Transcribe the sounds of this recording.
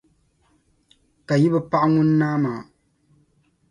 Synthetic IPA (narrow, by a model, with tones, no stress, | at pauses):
ka˨ji˦bɛ˦pa˦ʔŋu˦nː˦aː˦maː˨